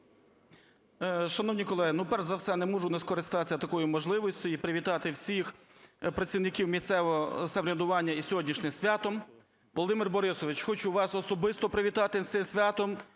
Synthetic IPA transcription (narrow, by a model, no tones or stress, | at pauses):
ʃɐnɔwnʲikɔlˠɛɦɪnupɛrʒzɐwsɛnɛmuʒʊnɛskɔɾɪst̪ɑsʲɐt̪ɐkɔjʊmɔʒlˠɪʋɔsʲt͡sʲʊjipɾɪʋʲit̪ɑt̪ɪwsʲix | pɾɐt̪ʲt͡sʲiwnɪkʲiwmʲist̪sɛʋɔɦɔsɐʋɾʲɐd̪ʊʋɑnʲːɐisʲɔɦɔdʲnʲiʃnɪmsʲʋʲɑt̪ɔm | ʋɔlˠd̪ɪmɪrbɔɾɪsɔʋɪt͡ʃxɔt͡ʃuʋɑsɔsɔbɪst̪ɔpɾɪʋʲit̪ɑt̪ɪt̪sɪmsʲʋʲɑt̪ɔm